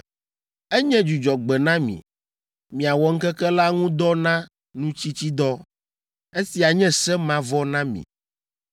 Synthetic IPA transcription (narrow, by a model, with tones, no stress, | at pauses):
ɛ˦ɲɛ̃˦d͡ʒu˨d͡ʒɔ˨ɡ͡bɛ˨nã˦mḭ̃˨ | mĩ˨a˨wɔ˨ŋ̩˦kɛ˦kɛ˦la˦ŋũ˦d̪ɔ˦nã˦ | nũ˦t͡ɕi˦t͡ɕi˦d̪ɔ˦ | e˦si˨a˨ɲɛ̃˦sɛ˦mã˦vɔ˦nã˦mḭ̃˨